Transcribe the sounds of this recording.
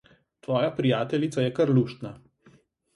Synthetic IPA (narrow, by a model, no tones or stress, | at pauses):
t̪ʋɔːjapɾijaːt̪ɛlit̪sajɛkaɾluːʃt̪na